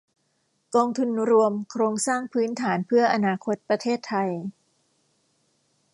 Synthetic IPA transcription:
kɔː˧ŋt̪ʰu˧nɾu˧əmkʰɾoː˧ŋsaː˥˩ŋpʰɯː˦˥nt̪ʰaː˩˦npʰɯ˥˩ɐʔa˧naː˧kʰo˦˥t̪̚pɾa˧t̪ʰeː˥˩t̪ʰːa˧j

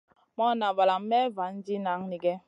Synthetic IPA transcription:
mɔ˦na˨va˨la˨m˦mɛ˦va˨˦n̩˦d͡ʒi˦na˨˦ŋni˦ɡɛ˦

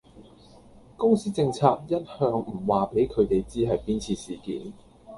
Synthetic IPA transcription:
kʊ˥ŋsiː˥t͡sɪ˧ŋt͡sʰaː˧k̚jɐ˥t̚hœː˧ŋm̩˨˩waː˨˩pe˨˥jkʰɵ˨˧ɥt̪e˨jt͡siː˥ɦɐ˨jpiː˥nt͡sʰiː˧siː˨˩kḭː˨˥n

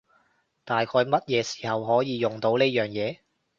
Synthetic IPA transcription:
t̪aː˨jkʰɔː˧jmɐ˥t̚jɛː˨˧si̥ː˨˩hɐ˨wɦɔː˨˥jiː˨˧jʊ˨ŋt̪o˨˥wneː˥jœː˨˩ŋjɛː˨˧

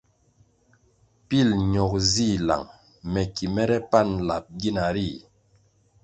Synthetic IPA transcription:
pi˦˨lɲɔ˨k̚zi˦˨la̰˨ŋ | mɛ˨ki˨mɛ˦ɾɛ˦pa˦˨nla˨p̚ɡi˦na˨ɾi˦˨

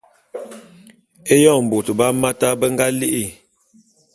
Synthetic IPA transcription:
e˦jɔ˦˨m̩˨bo˨tə˨ba˦ma˦ta˦bə˦ŋɡa˦li˦ʔi˦˨

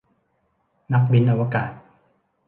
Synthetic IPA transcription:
na˦˥k̚wi˦nʔa˧wa˧kaː˨˩t̪̚

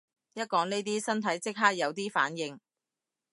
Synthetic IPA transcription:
jɐ˥t̚kɔː˨˥ŋne˥t̪iː˥sɐ˥nt̪ʰɐ˨˥jt͡sɪ˥k̚ɦaː˥k̚jɐ˨˧wt̪iː˥fa̰ː˨˥njɪ˨˧ŋ

